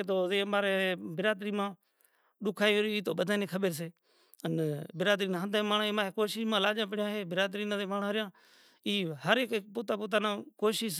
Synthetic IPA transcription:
t̪oːzẽːmaːɾeːeːbɪɾaːd̪ɾiːmãː | ɗʊkʰaːioɾiːiːt̪oːɓəd̪ʱaːneːkʰəɓeɾs̬eː | ənbɪɾaːd̪ɾiːnãːɦənd̪ẽːmaːɳːmaːɦekoːʃɪʃmãːlaːd͡ʒãːp̬əɽɪjãːɦeːbɪɾaːd̪ɾiːnat̪eːmaːɳaːɾɪjãː | iːhəɾekːpuːt̪aːp̬uːt̪̬aːnãːkoːʃɪʃ

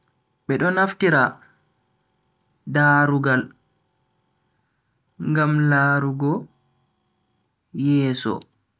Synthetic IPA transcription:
ɓɛɗɔnaftiɾa | daːɾuɡal | ŋɡamlaːɾuɡɔ | jɛːsɔ̰

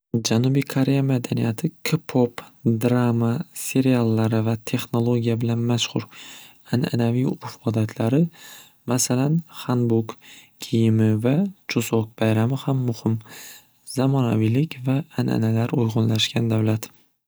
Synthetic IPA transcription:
d͡ʒanubijkʰoɾe̞jamad̪anijat̪ʰɪkʰɪpʰopd̪ɾamase̞ɾialˠːaɾɪvat̪ʰe̞χno̞lˠoɡʲijabɪlanmaʃχʊɾ | anʔa̰navijʊfɒd̪at̪ʰlaɾɪ | masalanχanbʊɡkʲʰijɪmɪvat͡ʃʰʊzok̚bajɾamɪhamːʊhɪm | zamɒna̰vilɪkʲvaːnʔa̰nalaɾʊjʁʊnlaʃɡʲkʲand̪awlat̪

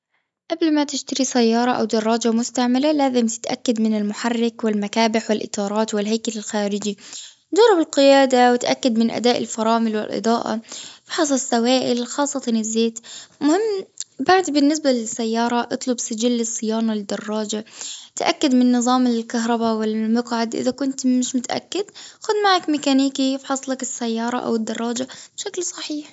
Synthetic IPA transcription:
ʔablmat̪ɪʃt̪aɾisajːɑːɾˤɑʔa̰wd̪ɑrˤːɑːd͡ʒamʊst̪aʕmalalaːzɪmt̪ɪ̥t̪ʔakːad̪mɪnɪlmʊħarːɪkwɪlmakaːbɪħwɪlʔɪ̰t̪ˤɑːɾˤɑːt̪wɪlɦajkalɪlxaːɾɪd͡ʒi | d͡ʒɑrˤːɪbɪlqɪjaːd̪awɪt̪ʔakːad̪mɪnʔa̰d̪aːʔɪ̰lfɑɾˤɑːmɪlwɪ̰lʔɨ̰d̪ˤɑːʔa̰bɪħɨs̬ˤɑsˤːawaːʔɪlxɑːsˤːɑt̪ɑnɪzːeːt̪mʊhɪmːbaʕd̪bɪnːɪs̬balɪsːajːɑːɾˤɑʔɨt̪ˤlʊbsɪd͡ʒɪlːɨsˤːɨjaːnalɪd̪ːɑrˤːɑːd͡ʒat̪ʔa̰kːad̪mɪnːɨðˤɑːmɪlkaɦɾˤɑbawɪlmɑqʕad̪ʔɪ̰ðakʊnt̪mɪʃmʊt̪ʔa̰kːɪd̪xʊd̪maʕakmɪkaniːkijɪbħɑsˤlakɪsːajːɑːɾˤɑ̰ʔa̰wɪd̪ːɑrˤːɑːd͡ʒab̥ʃaklsˤɑħiːħ

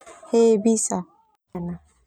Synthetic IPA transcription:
hebisa | ana

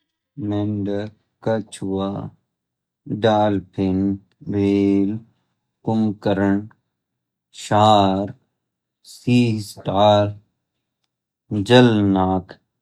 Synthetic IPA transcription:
menɖə | kɐt͡ʃʰwa | ɖaːlpʰɪn | beːl | kʊmkəɾəɳ | ʃaɾ | siːsʈaːɾ | d͡ʒɐlnaːkʰ

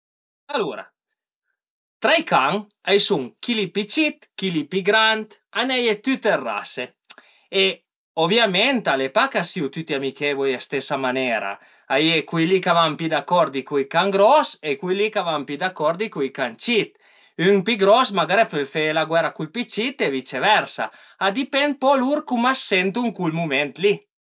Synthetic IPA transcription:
aluɾa̰ | t̪ɾajkaŋ | ajsuŋkilipit͡ʃit̪kilipiɡɾant̪anɛjet̪yt̪erːa̰se | e | ovjament̪alepakasiut̪yt̪iamikevɔjast̪esamanɛɾa̰ | ajekwilikavampid̪akːɔɾd̪ikuikaŋɡɾɔsekwilikavampid̪akːɔɾd̪ikuikant͡ʃit̪ | yŋpiɡɾɔsmaɡaɾepefelaɡwɛɾakulpit͡ʃit̪evit͡ʃevɛɾsa̰ | ad̪ipɛnd̪̚pɔluɾkumasɛnt̪uŋkulmumɛnt̪li

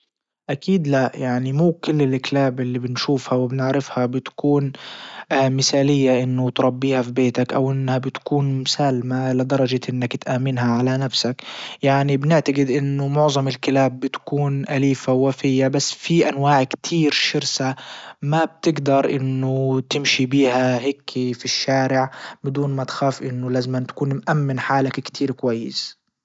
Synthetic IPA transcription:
ʔakiːd̪lajaʕnimuːkɪlːɪlʔɪklaːbʔɪlːibɪnʃuːfhawɪbɪnɪʕɾɪfhabɪt̪kuːn | mɪsaːlɪjːaʔɪnːʊt̪ɾˤɑbːiːhafibeːt̪akʔawʔɪnːhabɪt̪kuːnmsaːlmalɪd̪ɑɾˤɑd͡ʒaʔɪnːakt̪ʔaːmɪnɦaʕalanafsakjaʕnibnɪʕt̪aɡɪd̪ʔɪnːʊmʊʕðˤɑmɪlkɪlaːbːɪt̪kuːnʔaliːfawːafɪjːabasːfiʔanwaːʕkt̪ʰiːɾʃɪɾsamab̚t̪ɪɡd̪ɑɾˤʔɪ̰nːʊt̪ɪmʃibiːhaɦɪːkʰːifiʃːaːɾɪʕbɪd̪uːnmat̪xaːfʔɪnːʊlaːzɪmant̪ḁkuːnmʔamːɪnħaːlakkt̪ʰiːɾkwajːɪs

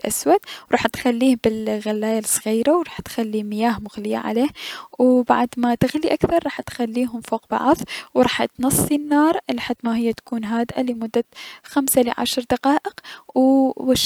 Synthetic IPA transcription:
ʔa̰swad̪̚ɾˤɑːħt̪xalːiːhbɪlɣalːaːjalsˤɣiːɾawɾˤɑːħt̪xalːimɪjaːhmʊɣlɪja̰ʕa̰leːhwba̰ʕd̪mat̪ɪɣliʔakθɑɾˤːɑːħt̪xalːiːɦʊmfoːq̚bɑ̰ʕðˤwɾˤɑːħt̪nɑsˤːinːɑːɾˤlħad̪ːmaɦɪjːat̪ḁkuːnɦaːd̪ʔalimʊd̪ːaxamsalɪʕa̰ʃɾˤd̪aqɑːʔɪqwʃ

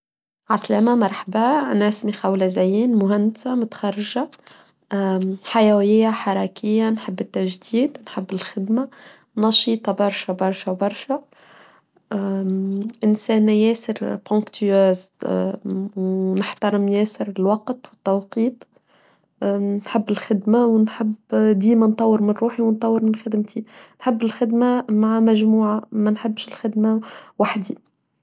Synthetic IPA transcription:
ʕaslæːmamɑɾˤħabanʕɪsmixawlazajiːnmʊɦand̪ɪsamʊt̪xɑɾˤːɪʒa | ħajæwjɪjːaħɑɾˤɑːkɪjːanħɪbːɪt̪ːaʒd̪iːd̪nħɪbːɪlxɪd̪ma | nɑʃiːt̪ˤɑbɑɾˤʃabɑɾˤʃawbɑɾˤʃa | ʔɪnsɛːnːjɛːsɪɾpõŋkt̪ʰyøːz | wnɪħt̪ɑɾˤɪmjɛːsɪɾɪlwɑqt̪wɪt̪ːɑwqiːt̪ˤ | nħɪbːɪlxɪd̪mæwnħɪbːd̪iːmænt̪ˤːɑwːəɾmɪnɾuːħiwnt̪ˤɑwːəɾmɪnxɪd̪ɪmt̪inħɪbːɪlxɪd̪mæmaʕamæʒmuːʕamænħɪbːʃɪlxɪd̪mæwaħd̪i

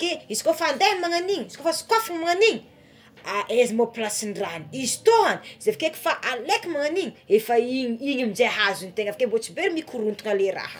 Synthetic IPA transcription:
keizikofand̪emaŋaniɲiizikofasi̥kafiŋmaŋaniɲi | aʔezimoplasinraniizi̥t̪oani̥zevakeki̥faʔalekʲimaŋaniɲiefaiɲiɲimizeɦazunt̪eŋafḁkembot͡sibeɾimikʰuɾunt̪unaleɾa̰hə̰

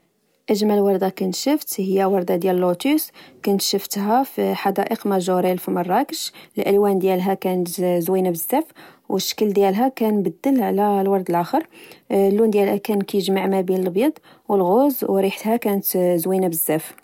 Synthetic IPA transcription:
ʔæʒmælwɑɾˤd̪ɑkʊnt̪ʃəft̪həjːæwɑɾˤd̪ɑd̪jællːot̪uskʊnt̪ʃəft̪ɦæfiħɑd̪æʔəqmæʒuɾilfimɑrˤːɑkəʃəlʔælwænd̪jælɦækænət̪zwinabəzːæfwəʃːə̥kəld̪jælɦækænbəd̪ːəlʕlælwɑɾˤd̪əlʔæxəɾˤlːund̪jælhækænkæjʒmaʕmæbinəlbjɑd̪ˤ | wəlɣozwɾiħt̪hækænət̪zwinabəzːæf

